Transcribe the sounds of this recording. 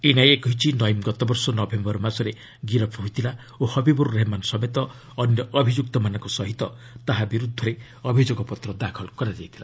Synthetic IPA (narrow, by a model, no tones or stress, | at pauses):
inajekɔɦit͡ʃʰinɔjmɡɔt̪ɔbɔɾsɔnɔbʱembɔɾɔmasɔɾe | ɡiɾɔpʰɦujt̪ʰila | ohɔbibɔɾuɾeɦmansɔmet̪ɔː | njɔʔɔbʱid͡ʒuk̚t̪ɔmanɔ̃ŋkɔsɔɦit̪ɔ | t̪aɦabiɾud̪ʱːɔɾe | ɔbʱid͡ʒoɡɔpɔt̪ɾɔd̪akʰɔlkɔɾad͡ʒajt̪ʰila